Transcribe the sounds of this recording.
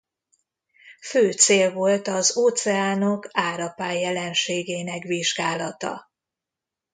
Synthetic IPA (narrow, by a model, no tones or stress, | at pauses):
føːt̪seːlvo̞lt̪ɒzoːt̪sɛaːno̞kaːɾɒpaːjːɛlɛnʃeːɡeːnɛkviʒɡaːlɒt̪ɒ̰